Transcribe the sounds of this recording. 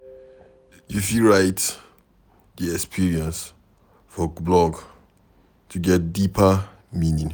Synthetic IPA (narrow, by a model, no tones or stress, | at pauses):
jufiɹaɪt | diɛkspʰiɹiɛ̃ns | fɔblɔɡ | tʰuɡɛt̚dipʰə | mĩnĩŋ